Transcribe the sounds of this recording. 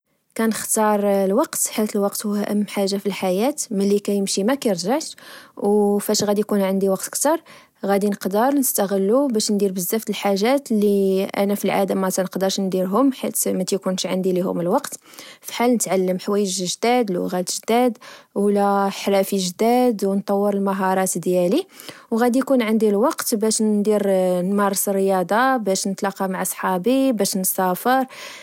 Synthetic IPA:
kænəxt̪ɑɾˤlwɑqt̪ħalt̪əlwɑqt̪hʊæʔəmːħaʒːafilħajæt̪məlːikæjəmʃimækæjəɾʒaʕt̪wfæʃɣæd̪ikunʕənd̪iwɑqt̪kt̪ɑɾˤ | ɣæd̪inəqd̪əɾˤnəst̪æɣəlːubæʃnd̪iɾbəzːæft̪əlħaʒæt̪liʔæ̰næfilʕa̰d̪amːæt̪ænəqd̪əɾˤʃnd̪iɾɦʊmħit̪mæt̪jkunʃʕa̰nd̪ilihʊ̰məlwɑqt̪fi̥ħalnət̪ʕalːəmħwæjːəʒʒd̪æd̪lṵɣæd̪t̪ʒd̪æd̪wlæħɾæfiʒd̪æd̪wnt̪ˤɑwːəɾəlmɑɦɑɾˤɑt̪d̪jæliwɣæd̪ijkunʕənd̪ilwɑqt̪bæʃd̪iɾnmɑɾˤsərəjɑd̪ˤɑbæʃnət̪lɑqɑmaʕsˤħɑbibæʃnsæfəɾˤ

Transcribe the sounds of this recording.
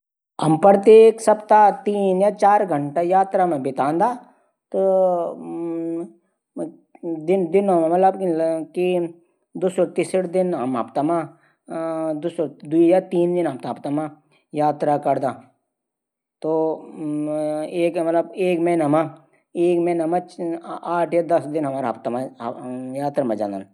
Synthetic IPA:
ɦɐmpəɾt̪eksɐbt̪at̪iːnjat͡ʃaːɾɡʱəɳʈajaːt̪ɾamẽbɪt̪ãːnd̪aː | t̪o | d̪ɪnd̪ɪnmmɐt̪ləbki | d̪ʊsoɾt̪isɽd̪ɪnɦɐ̰ma̰pt̪amã | d̪ʊsoɾd̪uijaɾt̪iːnd̪ɪnɦɐmt̪aɦpt̪amã | jaːt̪ɾakɐɾd̪aː | t̪o | eːkmɐt̪ləbeːkmɛ̃nɦəmã | eːkmɛ̃nɐmaaːʈʰjad̪ɐsd̪ɪnɦɐmaːɾɦpt̪amã | jaːt̪ɾamãd͡ʒã̰ːnd̪an

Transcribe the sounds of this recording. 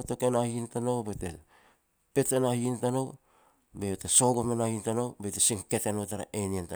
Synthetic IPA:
tokenahintanowbete | pe̞tenahintanow | beoteso̞ɡomenahintanowbetesiŋketenotaɾa̰ʔenienta

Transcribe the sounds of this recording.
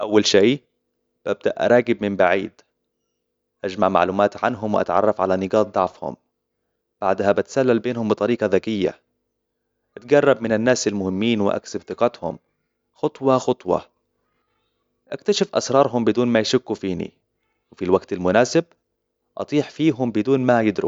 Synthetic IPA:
ʔawːalʃej | b̥ʔab̚d̪a̰ʔa̰ɾˤɑːɡɪb̚mɪmbaʕiːd̪ | ʔad͡ʒmaʕma̰ʕluːmaːt̪ʕanɦʊmwʔa̰t̪ʕɑ̰rˤːɑfʕalanɪɡɑːt̪̚d̪ˤɑʕfhʊ̰m | b̥aʕd̪habɪt̪salːalbeːnhʊmbɨt̪ˤɑɾiːqɑðakɪjːa̰ | ʔat̪ɡɑrˤːɑb̚mɪnɪnːaːsalmʊhɪmːiːnwɪʔa̰ksɪbθɪqɑt̪hʊ̰m | xʊt̪ˤwɑxʊt̪ˤwɑ̰ | ʔakt̪aʃɪfʔa̰sɾˤɑːɾˤɦʊmbɪd̪uːnmajʃʊkːufiːnḭ | wɪfilwaɡt̪almʊnaːsɪb̚ | ʔɑt̪ˤiːħfiːɦʊmbɪd̪uːnmajɪd̪ɾṵ

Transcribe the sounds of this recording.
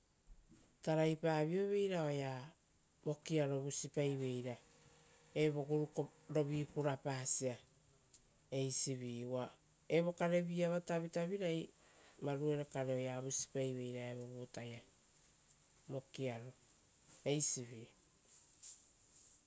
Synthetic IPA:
taɾajpaːβio̞βe̞jɾao̞ja | mo̞kiaɾo̞βusipajβe̞jɾa | eβo̞ɡuɾukoɾo̞βipuɾapaːsia | e̞jsiβiːwa | eβo̞kaɾe̞βiaβataβitaβiɾaj | maɾue̞ɾekaɾeo̞jaβusi̥pajβe̞jɾaeβo̞ɡutaja | mo̞kiaɾo̞ | ejsiβiː

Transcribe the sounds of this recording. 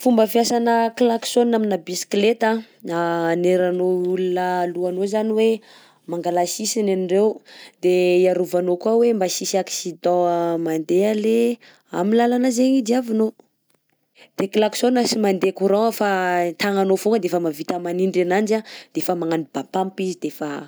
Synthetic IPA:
fumbəfiasanəklaksonaminabisklet̪a | aːneɾanoulunəluanozaniwe | maŋɡalasisinanirewd̪̥eiaɾuvanokuawembasisiaksid̪ɔ̃mand̪eale | amilalanazeɲid͡ʒiavino | d̪̥eklaksonəsimand̪ekuɾɔəfat̪aŋanofuŋɡəd̪efəmavit̪əmaniɳɖ͡ʐanand͡ʒad̪̥efəmaŋanibapampizid̪efa

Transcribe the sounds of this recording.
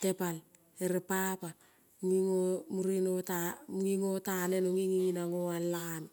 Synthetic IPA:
te̞pal | eɾepapa | ŋiŋomuɾinotamuŋiŋotane̞noŋiŋiŋinaŋoanːakan

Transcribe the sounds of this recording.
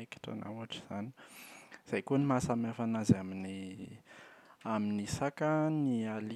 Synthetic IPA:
eki̥ʈ͡ʂa̰nʔa̰uaʈ͡ʂi̥z̥ani̥z̥ajkonimasamafanazamini | aminisakaniali

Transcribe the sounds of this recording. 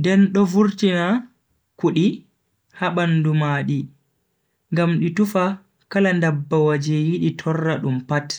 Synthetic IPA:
ndɛnɗɔvuɾtina | kuɗi | haɓandumaːɗi | ŋɡamɗitufa | kalandabːawad͡ʒɛjiɗitʰɔrːaɗumpat

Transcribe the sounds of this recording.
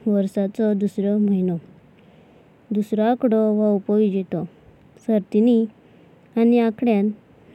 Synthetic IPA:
ʋəɾsat͡sɔd̪usɾɔm̤əinɔ | d̪usɾɔakɽɔʋaupɔʋid͡ʑit̪ɔ | səɾt̪ini | aniakɽjan

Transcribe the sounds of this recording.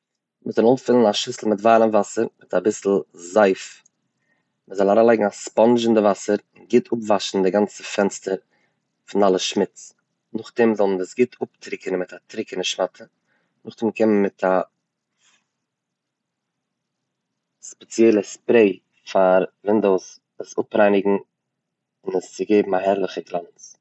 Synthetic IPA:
mɪzɔnʊfɪlˠənaʃɪsl̩ˠmɪtvaːɾəmvasəɾmɪtabɪsl̩ˠzaɪf | məzɔlˠaɾalˠaɪɡŋ̩aspɔnʒɪndɪvasəɾɪnɡɪtʰʊpvaʃn̩dɪɡant͡səfɛnstəɾ | fɪnalˠəʃmɪt͡s | nʊχtɪmzɔlˠndəsɡɪtʰʊp̚tɾɪkənmɪtatɾɪkənəʃmatʰə | nʊχdɪmkʰɪmənmɪtʰa | spɛt͡sjɛɪlˠəspɾeɪ | faɾvɪndoʊs | əsʊpɾaɪnɪɡŋ̩ | ɪnəst͡sɪɡeɪbm̩aɦɛɾlˠɪχəɡlˠant͡s

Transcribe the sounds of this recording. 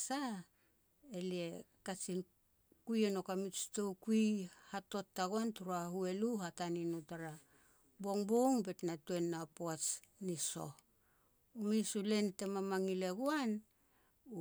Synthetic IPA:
sa | elie̞ | kat͡ʃin | kujeno̞kamit͡ʃtowkuihato̞tːaɡuantuɾahue̞luɦataninutaɾa | bo̞ŋboŋbe̞tnatuenːapoat͡ʃniso̞̰ | umisule̞nte̞mamaŋile̞ɡuan

